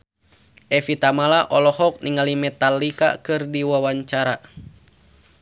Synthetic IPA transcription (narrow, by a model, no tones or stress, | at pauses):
ʔɛfit̪amalaʔɔlɔhɔk̚niŋalimɛt̪alika̰kɨrdiwawaɲt͡ʃaɾa